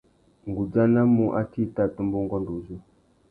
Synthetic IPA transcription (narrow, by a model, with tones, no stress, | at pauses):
ŋ˨ɡu˨d͡za˦na˦mu˦ʔa̰˦ti˦˨ta˦˨tu˦mbu˦ŋɡɔ˦ndu˨zu˦˨